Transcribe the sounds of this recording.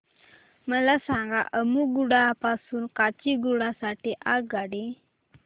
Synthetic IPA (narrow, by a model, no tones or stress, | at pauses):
mələsaŋɡaʔəmuɡuɽapasunkat͡ʃiɡuɽasaʈeʔaɡaɖi